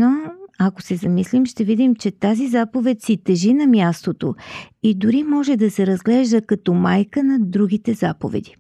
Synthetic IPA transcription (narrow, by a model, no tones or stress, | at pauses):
noɐkosɛzɐmislimʃt̪ɛvid̪imt͡ʃɛt̪azizapovɛt̪sit̪ɛʒinɐmʲjast̪ot̪oid̪uɾimɔʒɛd̪ɐsɛɾɐzɡlɛʒd̪əkɐt̪ɔmajkənɐd̪ɾuɡ̟ʲit̪ɛzapo̰vɛ̰d̪i